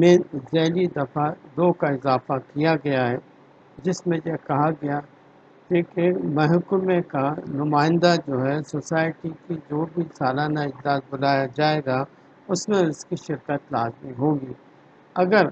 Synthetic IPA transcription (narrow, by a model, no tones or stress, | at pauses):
mẽzɾɛːlid̪ɐfad̪oːkaɪzaːfakijaɡɐjaɦɛː | d͡ʒɪsmẽjɛkɐɦaɡɐja | kekemɛɦʊkʊmẽkanʊmaːɪ̃nd̪ad͡ʒoːɦɛsosaːɪʈikid͡ʒoːbʱisaːlaːnaɪd͡ʒd̪aːzbʊlaːjad͡ʒaːeːɡa | ʊsmẽʊskiʃɪɾkət̪laːzmiɦõːɡiː | ɐɡəɾ